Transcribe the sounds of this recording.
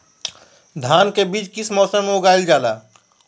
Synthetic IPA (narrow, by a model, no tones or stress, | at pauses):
d̪ʱaːnkebiːt͡ʃkɪsmɔːsəmʊɡaːɪld͡ʒaːlaː